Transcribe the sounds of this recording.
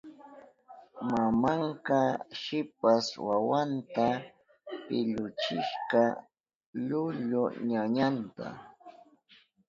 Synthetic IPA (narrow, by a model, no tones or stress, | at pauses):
mamaɴkɑʃɪp̚aswawant̪a | pɪʎʊt͡ʃɪʃqɑ | ʎʊʎʊɲaɲant̪a̰